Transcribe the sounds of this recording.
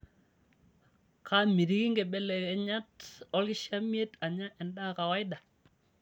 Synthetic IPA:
kʰa˦mi˨ɾi˦ki˦ŋɡɛ˨bɛ˦lɛ˨kɛ˨ɲa˦tɔ˦lkɪ˦ʃa˦m˦e˦ta˨ɲa˦ʔɛ˨nda˦ka˨wa˦ɪ˦da˨

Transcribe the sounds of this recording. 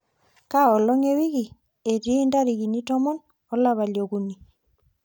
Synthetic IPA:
ka˦ɔ˨lɔ˦ŋe˦wi˦ki˨ | e˨tiː˦nda˦ɾi˨ki˨ni˦tɔ˦mɔ˦n | ɔ˦la˨βa˨ljo˨ku˨ni˨

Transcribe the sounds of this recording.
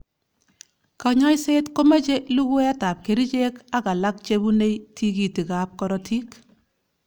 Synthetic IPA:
ka˨ɲa˦jse˦tko˦ma˦t͡ʃe˦lu˦ɡu˦a˦ta˨p̚ke˨ɾi˦t͡ʃe˦ka˦ka˨la˦k̚t͡ʃe˦bu˦ne˦jtʰi˦ki˨ti˨ka˨p̚kɔ˦ɾɔ˨tʰi˦k

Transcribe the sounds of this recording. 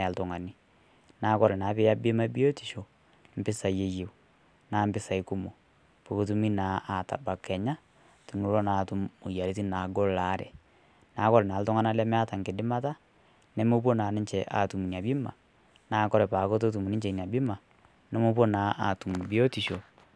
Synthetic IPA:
a˨ltʊ˨ŋa˨ni˦ | naː˨˦kɔ˦ɾɛ˨naː˨˦pɪ˦ja˦bɪ˦ma˦bi˦o˦ti˨ʃo˨ | m̩˨pɪ˦sa˨je˨je˨w | naː˨˦mbɪ˦sa˨i˨˦kʊ˦mo˨ | po˨ko˨˦tu˦mi˦naː˨˦a˨ta̰˨ba˨kɛ˨ɲa˦ | tu˨nu˨˦ɾo˦naː˨tu˦mʊ˨ja˨li˦ti˦naː˨ɡɔ˦la˨˦ɾɛ̰˨ | naː˨˦kɔ˦lɛ˨naː˨ltɔ˦ŋa˦na˦lɛ˦m˦a˦ta˨ŋkɪ˨dɪ˦ma˦ta˦ | nɛ˦mo˦p̬o˦naː˨nɪ˦ɲt͡ʃɛ˨ʔa̰˨tu˨mu˨n˨a˨bɪ˦ma̰˨ | naː˨˦kɔ˦ɾɛ˨pa˨ko˦t̬o˦t̬u˨mu˨nɪ˦ɲt͡ʃɛ˨i˨ni˨a˨bɪ˦ma˨ | nɛ˦mo˦po˦naː˨˦ʔa˨tu˨m˨bi˦o˦ti˨ʃo˨

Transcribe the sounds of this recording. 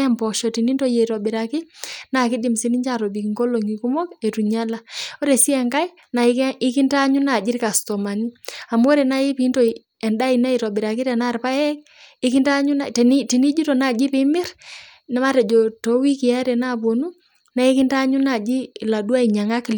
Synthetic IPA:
ɛ˦mpɔ˨ʃɔ˨ti˨ni˦nto˦˨je˨ɾɔ˨bɪ˨ɾa˨kɪ˦na˨kɪ˦dɪ˨msi˦ni˦ɲt͡ʃa˨ɾo˨bi˨kŋɡo˦lo˨ŋi˨ku˦mɔ˦ke˨tu˨ɲa˦la˨o˦ɾe˨si˦ɛ˨ŋka˦j | na˨˦ɪ˦kɪ˦nta˦ɲu˦na˨d͡ʒɪ˦rka˨stɔ˨ma˨ni˦a˨m˦o˦ɾe˨na˦ji˦pi˨˦nto˦i | ɛ˨nda˦i˨na˦i˨ɾɔ˨bɪ˨ɾa˨kɪ˦ɾɛ˨na˦˨rpa˦jɛ˦k̚ | ɪ˦kɪ˦nta˦ɲu˦na˨tn˦ti˨ni˦d͡ʒi˦to˨na˦˨d͡ʒɪ˦pɪ˦mɪ˦r | na˦ma˦ɾɛ˨d͡ʒo˨to˨˦wi˦kɪ˨a˦ɾɛ˨na˦˨bo˨nu˦ | na˨˦i˦kɪ˦nta˦ɲu˦na˨d͡ʒi˦la˨dwa˦i˨ɲa˨ŋa˦kl

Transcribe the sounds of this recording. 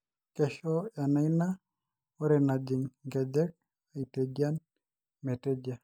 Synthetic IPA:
keʃɔ˦ja˨na˦ina | oɾɛna˨d͡ʒi˨ŋɡa˨d͡ʒɛ˦k̚ | a˨ited͡ʒjan | mɛ˨te˦d͡ʒa˨

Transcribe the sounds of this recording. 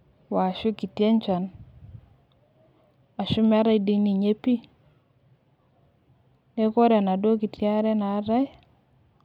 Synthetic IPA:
wa˨ʃʊ˦ki˨tjɛ˦ɲt͡ʃa˨n | a˨ʃʊ˦m˦a˦ɾa˦jdi˦ni˨ɲe˦pi˦ | ne˦ko˦ɾa˨na˨do˦ki˨tja˦ɾɛ˦na˨˦ɾa˦j

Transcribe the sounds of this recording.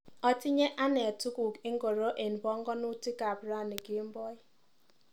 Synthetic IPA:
ɔ˨ti˦ɲe˦ʔa˦ne˨a˨tu˦ku˨ki˦ŋ̩˦ɡo˨ɾo˦ʔe˨n˨bɔ˦ŋ˦ɡɔ˦nu˦ti˦ka˨bɾa˦˨ni˨ɡi˦m̩˦bɔ˦i˦

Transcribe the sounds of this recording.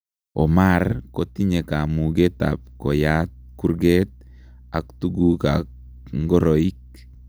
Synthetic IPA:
ɔ˨marko˨ti˦ɲe˨ka˨mu˨ɡe˦t̪a̰p̚kɔ˨jat̪̚ku˦rɡet̪̚ | a˨kt̪uɡuka̰k | ŋɡɔ˦ɾoik̚

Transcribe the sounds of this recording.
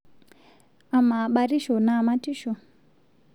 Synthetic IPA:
a˨ma˨ɓa˨ɾi˦ʃɔ˨na˨ma˦ti˦ʃɔ˨

